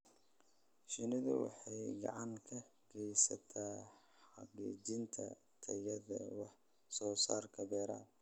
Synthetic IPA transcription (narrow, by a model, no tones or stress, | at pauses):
ʃɪnɪðʊ̰wɑ̰ħɑjɡɑ̰ʕɑŋkʰɐɡʰɛjsɐt̪ʰaː | ħɑqḭːt͡ʃɪnt̪ʰɐ̰ | t̪ʰɐjɐðɐwɑħ | sɔːsaːrkʰɐbɛːɾaː